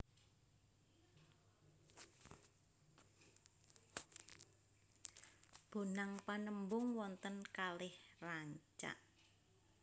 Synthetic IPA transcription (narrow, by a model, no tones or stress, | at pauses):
b̥o̤naŋpanəmbʊŋwɔnt̪ənkalɪhraɲt͡ʃa̰ʔ